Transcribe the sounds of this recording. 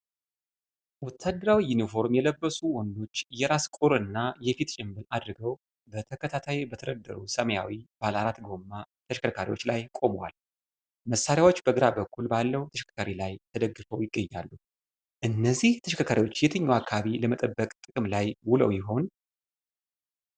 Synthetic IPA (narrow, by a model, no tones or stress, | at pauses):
wɔt̪ʰːad̪ːəɾawijunifo̞ɾmjɛləbːəsuwɔnd̪o̞t͡ʃːjɛɾaskʼuɾɨnːajɛfit̪t͡ʃʼɪmbɨnad̪ɾɨɡəw | bət̪ʰəkʰət̪ʰat̪ʰajibət̪ʰəɾəd̪ːə̰ɾusəməja̰wib̥alaɾat̪ɡo̞mːat̪ʰəʃkʰəkʰaɾḭwo̞̰t͡ʃːlajkʼo̞mwa̰l | məsːaɾjawo̞t͡ʃːbəɡɨɾabəkʰːulbalːəwut̪ʰəʃkʰḁkʰaɾilajt̪ʰəd̪əɡːɨfəwjɪɡːəɲːa̰lːu | ʔɨnːəzːiht̪ʰəʃkʰakʰaɾiwo̞t͡ʃːjɛt̪ʰɨɲːaakʰːaβiləmət̪ʼəbːəkʼt̪ʼɨkʼɨmlajwʊlə̰wjɪɦo̞n